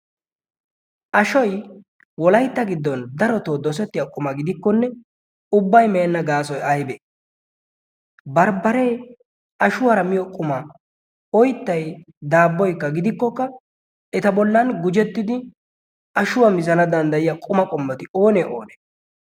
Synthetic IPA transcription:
ʔɐʃɔj | wɔlɐjt̪ːɐɡɪd̪ːɔnd̪ɐɾɔt̪oːd̪ɔs̬ɛt̪ːɪjɐkʼʊmɐɡɪd̪ɪkːɔnːɛ | ʊbːɐjmeːnːɐɡaːs̬ɔjɐjbɛ | bɐɾbɐɾɛː | ɐʃʊwɐɾɐmɪjɔkʼʊmɐ | ɔjt̪ːɐj | d̪aːbːɔjkːɐɡɪd̪ɪkːɔkːɐ | ɛt̪ɐbɔlːɐnɡʊd͡ʒɛt̪ːɪd̪ɪ | ɐʃʊwɐmɪzɐnɐd̪ɐnd̪ɐjɪjɐkʼʊmɐkʼɔmːɛt̪ɪo̞ːnɛʔo̰ːnɛ̥

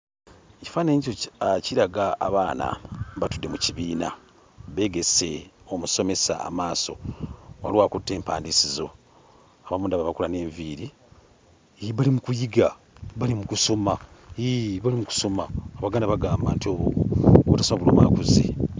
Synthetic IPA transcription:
eci̥faːne̞ːɲɟiociɾaɡa̰ːβaːna̰βatudːemuciβiːna̰ | βe̞ːɡe̞se̞omuso̞me̞sa̰ːmaːso̞̰wa̰liwaːkutːe̞ːmpaːndisizo̞ | aβamuːndaβaβakulane̞ːɱviɾi | βalimukujiɡa | βalimukuso̞maiβalimuku̥so̞maːβaɡaːndaβaɡaːmbaːntioβooβutasomaβuloːma̰kuzḭ

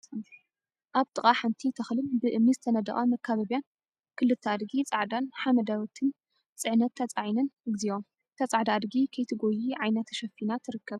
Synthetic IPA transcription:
ʔaβt̪ʼɨχʼaħant̪ʰit̪ʰɐxlɨmbɨʔɨmːizɨt̪ʰɐnɐd̪ɐ̰χʼamɐkʰːaβɐβijan | kʰɨlɨt̪ʰːɐad̪ɡit͡sʼaʕd̪anħamɐd̪awɔt̪ʰɨn | t͡sʼɨʕnɐt̪ʰːɐt͡sʼaʕinɐnɨɡziwom | t̪ʰɐt͡sʼaʕd̪ad̪ɡikʰɐjt̪ʰɨɡojiʕajnɐt̪ʰʃɐfinat̪ʰɨɾɨkʰːɐβ

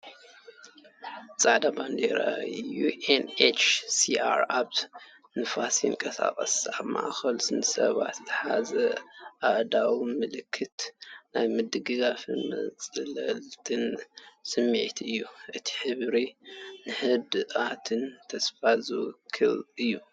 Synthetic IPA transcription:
t͡sʼaʕd̪aband̪ḛɾa̰juenet͡ʃsiʔa̰ɾaβ | nɨfasinkʼɐsa̰kʼɐsaβma̰ʔxɐlsɨnɨsɐ̰βa̰t̪zɨħazɐʔaʔd̪awimɨlɨkʰːɨt̪najmɨd̪ɨɡɨɡafɨ̰nmɐ̰t͡sʼɨlɐlt̪ʰɨnsɨmːiʕt̪ʰɨjːuʔɨt̪ʰi̥ħɨβɾinɨħɨd̪ɨʔat̪ʰɨnt̪ʰɐsfazɨkʰːɨ̰lɨjːu

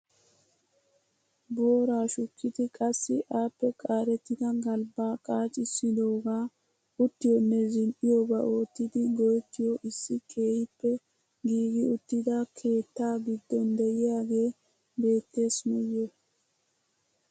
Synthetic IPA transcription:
bo̞ːɾaːʃʊkʰːɪd̪ɪkʼɐsːɪʔaːpːɛkʼaːɾɛt̪ːɪd̪ɐɡɐlbaːkʼaːt͡ʃʼɪsːɪd̪o̞ːɡaː | ʊt̪ːɪjɔnːɛzɪnʔɪjobɐʔo̞ːt̪ːɪd̪ɪɡɔjɛt̪ːɪjɔʔɪsːɪkʼe̞ːhɪpːɛ | ɡiːɡɪʊt̪ːɪd̪ɐkʰe̞ːt̪ːaːɡɪd̪ːɔnd̪ɛjɪjaːɡe̞ː | be̞ːt̪ːe̞ːsmɔjːɛ

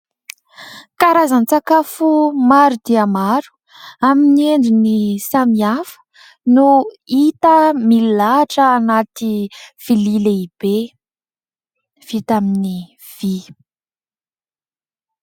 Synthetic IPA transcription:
kaɾazant͡sakafumaɾud̪̥iamaɾu̥ | aminieɳɖ͡ʐinisamiafə̥ | nuit̪əmililaʈ͡ʂəanat̪iv̥ilileib̥e | v̥it̪amini | v̥i

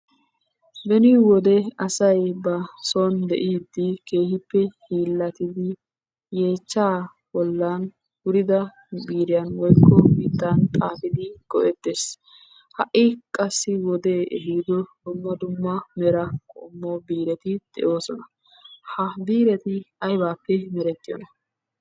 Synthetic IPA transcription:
bɛnɪwɔd̪ɛɐsɐjbɐsɔnd̪ɛʔiːd̪ːɪkeːhɪpːɛhiːlːɐt̪ɪd̪ɪ | je̞ːt͡ʃːaː | bɔlːan | wʊɾɪd̪ɐ | biːɾɪjɐnwɔjkʰːɔbiːt̪ːant̪ʼaːfɪd̪ɪɡ̥ɔʔɛt̪ːeːs | hɐʔɪkʼɐsːɪwɔd̪eːʔɛɦiːd̪ɔd̪̥ʊmːɐd̪ʊmːɐmɛɾɐkʼɔ̰mːoːbiːɾɛt̪ɪd̪̥ɛ̰ʔo̞ːsɔnɐ | hɐbiːɾɛt̪ɪɐjbaːpːɛmɛɾɛt̪ːɪjɔ̰nɐ

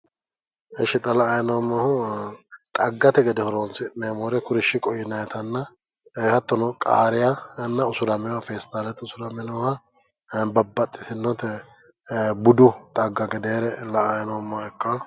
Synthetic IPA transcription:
ɛʃɪt̪ʼːɐlɐːjnomːɐhʊ | t̪ʼɐɡːɐt̪ɛɡɛd̪ɛhɔɾoːnsɪnemoːɾɛkʊɾɪʃːɪkʼɔjɪnɐjt̪ɐnːɐ | hɐt̪ːɔnɔkʼa̰ːɾɪjɐnːɐʊsʊɾɐmɛwafeːst̪aːlɛt̪ʊsʊɾɐmɛnɔwa | bɐbːɐt̪ʼːɪ̥sɪnːɔt̪ɛ | bʊd̪ʊt̪ʼɐɡːɐɡɛd̪eːɾɛlɐːjnomːɐɛkːɐ

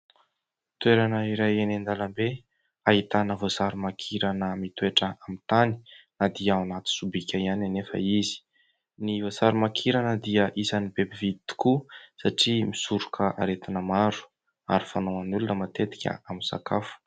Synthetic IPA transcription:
t̪weɾanəiɾajenend̪alambe | aɦit̪anəvozaɾumakʰiɾanəmit̪weʈ͡ʂəamit̪ani̥nad̪iawnat̪i̥subikʲajananefə̰izi̥ | nivozaɾumakʰiɾanəd̪iəʔisanibebivid̪it̪i̥kusaʈ͡ʂimisuɾukʰəʔa̰ɾet̪inəmaɾu̥ | a̰ɾifanowanulunəmat̪et̪i̥kʲə̰amisa̰kafu̥

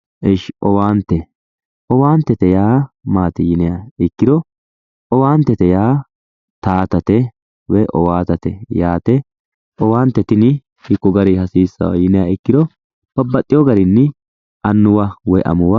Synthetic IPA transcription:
ʔɛʃʔɔwaːnt̪ːɛ | ʔɔwaːnt̪ːɛt̪ɛjaːmaːt̪ɪjɪnɛjaɪkːɪd̪ɔ | ʔɔwaːnt̪ːɛt̪ɛjaː | t̪aːt̪ɐt̪ɛ | wɛʔɔwaːt̪ɐt̪ɛjaːt̪ɛ | ʔɔwaːnt̪ːɛt̪ɪnɪ | hɪkːʊɡɐɾɪhɐsiːsːɐ̰w̰jɪnɛjaɪkːɪd̪ɔ | b̥ɐbːɐt̪ʼːɪjɔɡɐɾɪnːɪ | ʔɐnːʊwɐwɔjʔɐ̰mʊwɐ

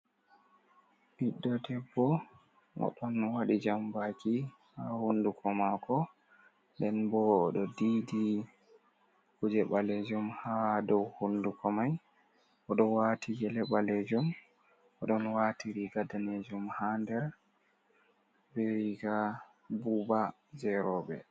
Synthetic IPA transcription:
ʔiɗːɔdɛbːɔ | ʔɔ̰ɗɔnwaɗid͡ʒambaki | hahundukʰɔmakɔ | ndɛnbɔːɗɔdidi | hud͡ʒɛɓaled͡ʒumhadɔwhundukɔmaj | ʔɔɗɔwatʰiɡɛlɛɓaled͡ʒum | ʔɔɗɔnwatiɾiɡadaned͡ʒumhandɛɾ | bɛɾiɡa | buba | d͡ʒɛɾɔbɛ

